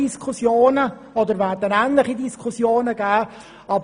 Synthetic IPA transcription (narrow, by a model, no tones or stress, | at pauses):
iskʰusjoːnə | ɔd̪əɾʋæːtːənæːntlɪχidiskʰusjoːnəɡæː | ɑb